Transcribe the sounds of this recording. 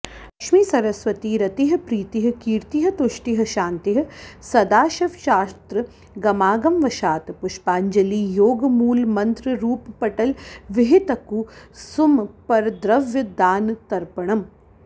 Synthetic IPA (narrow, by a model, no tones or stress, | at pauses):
ɐkʃmiːsɐɾɐsʋɐt̪iɾɐt̪iɦɐ̆pɾiːt̪iɦɐ̆kiːɾt̪iɦɐ̆t̪ʊʃʈiɦɐ̆ʃaːnt̪iɦɐ̆sɐd̪aːʃɐʋʃaːst̪ɾɨ | ɡɐmaːɡɐmʋɐʃaːt̪pʊʃpaːɲd͡ʒɐliːjoːɡmuːlmɐ̃nt̪ɾɨɾuːppɐʈɐlʋɪɦɪt̪ɐkusumpɐɾd̪ɾɐʋjɐd̪aːnt̪ɐɾpɐɳ̃ɐm